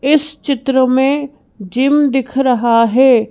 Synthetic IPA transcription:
ɪst͡ʃɪt̪ɾəmẽ | d͡ʒɪmd̪ɪkʰɾɐɦaɦɛː

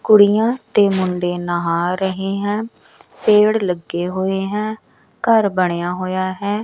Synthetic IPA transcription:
kʊɽijãːt̪eːmʊɳɖeːnəɦaːɾəɦeːɦɛ̃ː | peːɽləɡːeːɦoːeːɦɛ̃ː | kəɾbəɽ̃ejãːɦoːjaːɦɛː

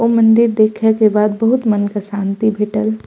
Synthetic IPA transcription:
oːmɐ̃nd̪ɪɾd̪eːkʰekebaːd̪̚bɐɦʊt̪mənkaʃãːnt̪ibʱeːʈəl

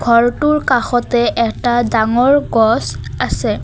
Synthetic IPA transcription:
ɡʱɔɹtuɹkaxɔtɛʔɛk̚tadaŋɔɹɡɔsasɛ

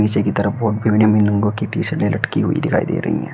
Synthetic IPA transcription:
iːt͡ʃekit̪ɐɾəfbʱoːʈ̚bʱiʋɪnəmɪnlə̃ŋɡõkiʈiːsəɾnelʔɐʈkiɦʊḭd̪ɪkʰa̰ːḭd̪ḛːɾɐ̰ɦḭɦɛ̰̃ː

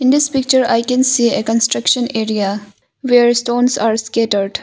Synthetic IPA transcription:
ɪ̃nd̪ɪspɪk̚t͡ʃəɾaɪkɛ̃nsiːekɔ̃nsʈɾɐkʃə̃neːɾia | ʋeːɾsʈõːnsaːɾskeʈəɾɖ

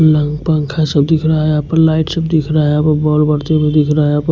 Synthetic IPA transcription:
ləŋɡpə̃ŋkʰasəbd̪ikʰɾaɦɛapəɾlaːɪʈsəbd̪ikʰɾaɦɛapəbɔlbəɾt̪ebʱid̪ikʰɾaɦɛap

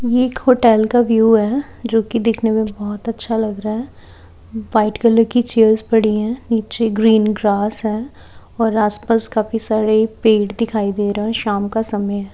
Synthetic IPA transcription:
jeːkɦoːʈɛːlkaʋjuːɦɛː | d͡ʒoːkid̪eːkʰnemẽbɔːt̪ɐtːʃʰalɐɡɾaɦɛː | ʋaɪʈɡələɾkit͡ʃeːəɾzbɐɽiɦɛ̃ːniːt͡ʃeɡɾiːnɡɾaːsɦɛː | ɔːɾaːspaskaːpʰisaːɾeipeːʈd̪ɪkʰaːid̪eːɾaɛʃaːmkasɐməjɦɛː

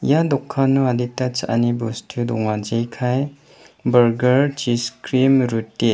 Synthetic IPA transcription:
jadɔkʰːanːuaditːat͡ʃa̰ʔa̰nibustʰudɔŋad͡ʒejkʰaj | bɐɾɡɐɾt͡ʃiskɾimɾutːe

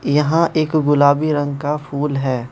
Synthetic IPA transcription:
jɐɦãʔeːkɡʊlaːbiɾɐ̃ŋɡkafʰuːlɦɛː

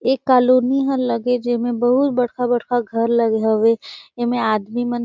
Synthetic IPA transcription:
eːkːaːloːniɦə̃lɐɡed͡ʒɪmẽbɐɦʊt̪̚bɐɽ̤kʰabɐɽ̤kʰaɡʱɐɾlɐɡeɦoʋeemẽaːd̪mimən

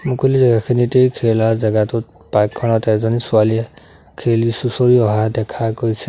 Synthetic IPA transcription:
mukulizɛɡakʰinitejkʰelaɹzaɡatʊt̚ | pakʰːɔnɔtɛzɔnisʊaliɛ | kʰelisusoɹiɔɦadɛkʰakoisɛ

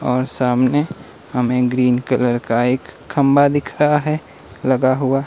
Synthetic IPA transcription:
ɔːɾsaːmne | hɐmẽɡɾiːnkələɾkaeːkʰːə̃mbad̪ɪkʰɾəɦaɦɛ | lɐɡaɦʊa

